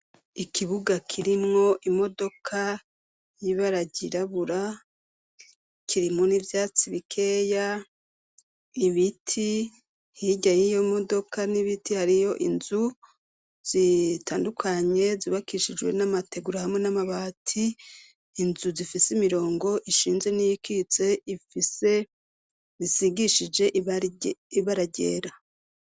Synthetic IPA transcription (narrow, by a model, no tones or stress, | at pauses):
ikʰiβuɡakʰiɾimŋo̞ʔimo̞do̞kʰa | jiβaɾaɟiɾaβuɾa | kʰiɾimŋo̞nivjaːt͡siβikʰe̞ːja | iβitʰi | hiɟajijo̞mo̞do̞kʰaniβitihaɾijo̞ʔḭnzu | z̥itaːndukʰaɲe̞ziβakiʃid͡ʒwe̞̰namatʰe̞ɡuɾahamŋenamaβaːtʰiː | nzuzifisimiɾo̞ːŋɡo̞ʔiʃiːnze̞nijikit͡se̞ifise̞ | zisiɡiʃid͡ʒe̞ʔ | iβaɾaɟe̞̰ːɾa